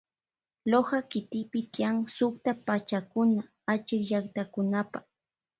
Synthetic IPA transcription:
lohakɪt̪ɪpɪt̪jaŋsʊkt̪apat͡ʃakʊna | at͡ʃɪkʎakt̪akʊnapaχ

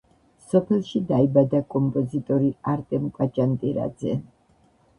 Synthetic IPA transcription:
sɔpʰɛlˠʃid̪aibad̪akʼɔmpʼɔzit̪ʼɔɾiaɾt̪ʼɛmkʼat͡ʃʼant̪ʼiɾa̰d̪z̥ɛ̰

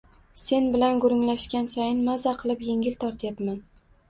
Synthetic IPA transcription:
se̞nbɪlanɡʊɾʊŋlaʃkʲansajɪnmazaqʰɨlˠɪpje̞ŋʲɪlt̪ʰɒɾt̪ʰajapman

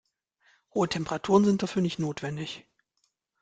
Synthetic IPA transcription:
hoːətʰɛmpəʁatʰuːʁ̞ənzɪnt̚d̥afyːɐnɪçtnoːtv̥ɛndɪç

